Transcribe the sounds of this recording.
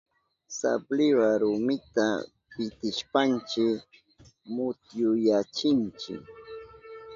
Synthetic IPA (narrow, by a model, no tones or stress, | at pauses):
sa̰plɪwaɾʊmɪt̪a̰ | pɪt̪ɪʃpant͡ʃɪ | mʊt̪jʊjat͡ʃɪnt͡ʃɪ̰k